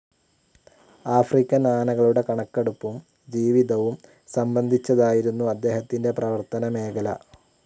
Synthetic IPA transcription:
aːfrikʲːɐnaːnɐɣɐɭuɽe̞kɐɳɐkːeɽupːum | d͡ʑiːʋiðɐʋum | sɐmbɐnd̪ʱit͡ɕːɐðaːjiɾunːuɐd̪ːe̞ːɦɐt̪ːinde̞prɐʋɐrt̪ɐnɐme̞ːkɐlɐ̰

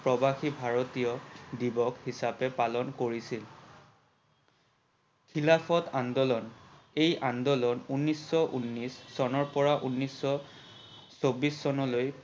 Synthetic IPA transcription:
pɹɔbaxibʱaɹotijɔdibɔkhisapɛpalɔnkoɹisil | kʰilapʰɔtandɔlɔn | ejʔandɔlɔnunːisːɔʔunːisːɔnɔɹpɔɹaʔunːisːɔ | sobisːɔnɔloj

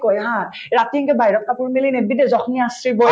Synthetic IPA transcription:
kɔjɦã | ɹatiŋkɛbajɹɔp̚kapuɹmilinɛdbidɛzɔxniasɹibɔ

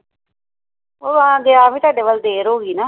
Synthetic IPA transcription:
oːʋãːɡeaːʋĩːt̪aːɖeːʋəld̪eːɾoːɡiːnaː

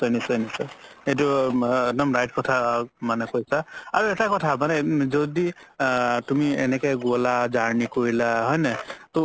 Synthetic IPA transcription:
sɔjnisɔjnisɔeduenɔmɹajt̚kɔtʰamanekojsaaɹuetakɔtʰamanezɔd̪i | t̪umiḛnekejɡolad͡ʒaɹnikoɹilaɦɔjnʌt̪ɔ

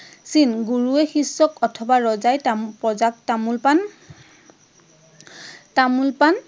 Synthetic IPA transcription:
sinɡuɹuɛxisːɔkɔtʰɔbaɹɔzajtapɹɔzak̚tamulpan | tamulpan

